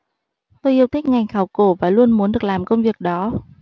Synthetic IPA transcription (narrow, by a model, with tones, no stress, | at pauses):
t̪o˧jʔi˧əwt̪ʰi˦˥k̚ŋa˨˩jŋ̟xaː˧˩wko˧˩vaː˨˩lu˧ənmu˨˦ənɗɨ˨˩ək̚laː˨˩mkə˧wŋ͡mvi˨˩ək̚ɗɔ˨˦